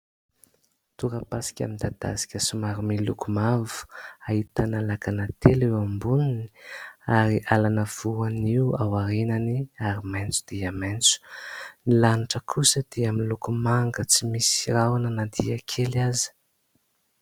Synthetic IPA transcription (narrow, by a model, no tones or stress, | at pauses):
t̪uɾəpasi̥kʲa̰mind̪ad̪̥a̰si̥kʲəsumaɾumilukumavu̥ait̪analakanat̪ʰelewambuniniaɾiʔalanəv̥uaniwawaɾenaniaɾiment͡su̥d̪̥iament͡su̥nilaniʈ͡ʂəkʰusəd̪̥eaminlukumaŋɡət͡simisi̥ɾawanənad̪ḭakʰeliazi̥